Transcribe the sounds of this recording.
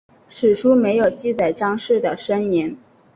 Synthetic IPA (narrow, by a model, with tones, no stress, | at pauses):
ʂɻ̩˨˩ʂu˥me˧˥ɪjo˨˩ʊt͡ɕi˥˩t͡sa˨˩ɪʈ͡ʂɑ˥ŋʂɻ̩˥˩d̪ə˩ʂə˥nɛ˧˥n